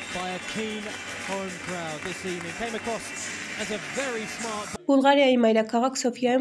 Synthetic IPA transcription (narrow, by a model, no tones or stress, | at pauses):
b̥aɪəkʰĩːn | hɔɹ̃nkʰɹ̥aʊðɪsiːvnɪ̃ŋkʰẽɪ̃məkʰɹ̥ɔs | əzəvɛɹismɑɹt̚b̥b̥ʊlˠʁaɾjaimajɾakʰɑʁɑksofia